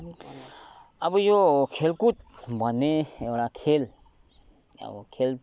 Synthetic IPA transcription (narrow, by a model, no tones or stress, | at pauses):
abɨjokʰelkut̪̚baneeɾakʰel | kʰel